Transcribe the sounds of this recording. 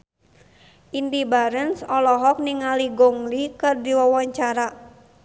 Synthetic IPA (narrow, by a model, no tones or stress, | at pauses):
ʔindibaɾənsɔlɔɦɔk̚niŋaliɡɔŋlikɨrdiwawɔɲt͡ʃaɾa